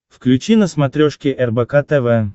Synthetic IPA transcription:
fklʲʉt͡ɕinəsmɐt̪ɾʲoʂkʲɪʔɛrbɛkat̪ɛvɛ

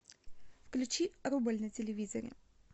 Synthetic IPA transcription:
fklʲʉt͡ɕiɾubəlʲnɨtʲɪlʲɪvʲizə̰ɾʲɪ̰

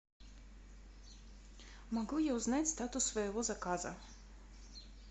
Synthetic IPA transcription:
maɡujauznajt̪st̪at̪usvɛːvˠɔzakaza̰

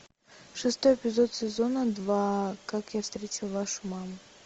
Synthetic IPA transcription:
ʂɨst̪o̞jɪpʲɪzo̞t̪sʲɪzo̞nəd̪vakakjafst̪ɾʲetʲɪlˠvaʂʊmamʊ

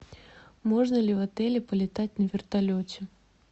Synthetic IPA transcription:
moʐnəlʲɪvɐt̪ɛlʲɪpəlʲɪt̪atʲnəvʲɪrt̪alʲotʲɪ

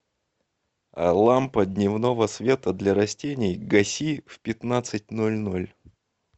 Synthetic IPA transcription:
ɐ̰lˠampəd̪ʲnʲɪvno̞vəsvʲe̞t̪əd̪lʲɐɾɐsʲtʲenʲɪjɡɐsʲifpʲɪt̪nat̪sɨt̚ʲnolʲnolʲ

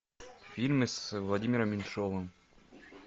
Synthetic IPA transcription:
fʲilʲmɨsvlˠɐdʲimʲɪɾəmʲɪnʂovə

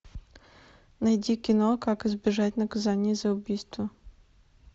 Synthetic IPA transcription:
nɐjdʲikʲɪnɔkakɨzbʲɪʐatʲnɐkɐzanʲiizɐʊbʲijst̪vɐ

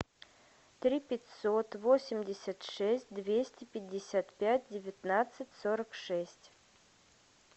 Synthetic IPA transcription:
t̪ɾʲipʲɪtʲsot̪vosʲɪmdʲɪsʲət̪ʂɛsʲt̚ʲd̪vʲesʲtʲɪpʲɪdʲːɪsʲat̪pʲæt̚ʲdʲɪvʲɪt̪nat̪sɨtʲsoɾəkʂɛsʲtʲ

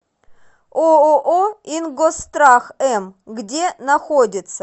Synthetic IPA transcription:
ooʔoinɡost̪ɾaxɛmɡdʲenɐxodʲɪt̪sə̥

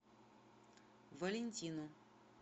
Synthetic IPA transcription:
vɐlʲɪnʲtʲinu

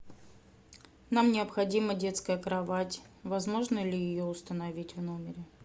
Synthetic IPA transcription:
namnʲɪəpxɐdʲimədʲe̞t̪skəjəkɾɐvatʲ | vɐzmo̞ʐnəlʲɪjɪjoʊst̪ənɐvʲitʲvno̞mʲɪɾʲɪ

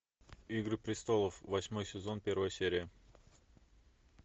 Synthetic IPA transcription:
iɡɾɨpɾʲɪst̪o̞lˠəfvɐsʲmo̞jsʲɪzo̞npʲe̞ɾvəjəsʲeɾʲɪjə

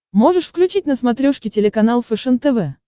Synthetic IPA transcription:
mo̞ʐɨʂfklʲʉt͡ɕit̚ʲnəsmɐt̪ɾʲoʂkʲɪtʲɪlʲɪkɐnalˠfɨʂɨnt̪ɛvɛ

